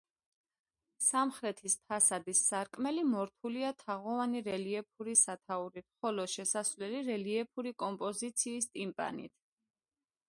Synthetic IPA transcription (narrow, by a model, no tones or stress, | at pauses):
samχɾɛt̪ʰispʰasad̪isːaɾkʼmɛlimɔɾt̪ʰuliat̪ʰaʁɔvaniɾɛliɛpʰuɾisat̪ʰauɾit̪χɔlɔʃɛsasvlɛliɾɛliɛpʰuɾikʼɔmpʼɔzit̪sʰiːst̪ʼimpʼa̰nḭt̪ʰ